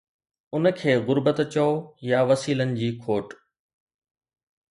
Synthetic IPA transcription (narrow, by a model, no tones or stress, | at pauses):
ʊnəkʰeːɣʊɾbət̪t͡ɕɐojaʋɐsiːlənɪ̆d͡ʑiːkʰoːʈ